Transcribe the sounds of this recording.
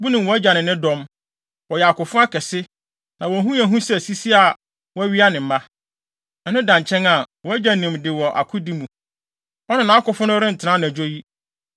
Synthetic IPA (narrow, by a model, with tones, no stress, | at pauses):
bu˦nĩ˨wɔ˨˦æ˦d͡ʑᶣa˨nɪ̃˨nɪ̃˦dɔ̃˦m | wɔ˨jɛ˨a˨kʊ˨fʊ̃˦a˦kʰɛ˨sɪ˦ | nã˨wɔ˨˦ɦũ˦æ˨ɦũ˦sɛ˦˨si˦si˦a˨ | wɔ˦æ˦ɥi˦a˦nɪ̃˨m̩˨ma˦ | ɛ˨nʊ̃˦dã˨ɲt͡ɕʰɛ̃˦na˨wɔ˨æ˦d͡ʑa˨nĩ˨mdɪ˨wɔ˨ʔa̰˨kʰʊ˦di˦mũ˨ | ɔ˦nɪ̃˦˨nã˨˦kʊ˨fʊ̃˦nʊ̃˦ɾɪ̃˦n̩˨tʰɪ˨nã˦ñ˨æ˨d͡ʑᶣo˦ji˦